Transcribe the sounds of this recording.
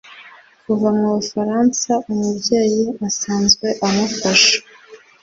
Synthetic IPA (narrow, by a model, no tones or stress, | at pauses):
kuvamŋuβufaɾaːnsaumubɟeːjiasaːnzɡwe̞ʔamafaʃḁ